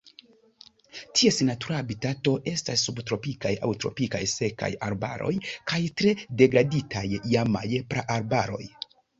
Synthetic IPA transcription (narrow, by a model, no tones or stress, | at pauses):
tʰiesenatuɾaːbitato̞ʔe̞stasːubtɾo̞pikaja̰wtɾo̞̰pika̰jse̞ka̰jaɾba̰ɾo̞̰jkʰajtɾe̞de̞ɡɾaditʰajːama̰jpɾaʔaɾbaɾo̞̰j